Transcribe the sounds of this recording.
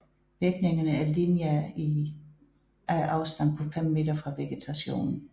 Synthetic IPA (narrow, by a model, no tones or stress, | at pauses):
ʋiɐɡ̥ne̝ŋɐnəæɐlinjæi | æʔɑ̈ʊsd̥ɑn̚pʰɒ̽fem̰me̝d̥ɐfʁɑ̈ʋe̝ɡ̥et͡sʰæɕo̝̰ːnn̩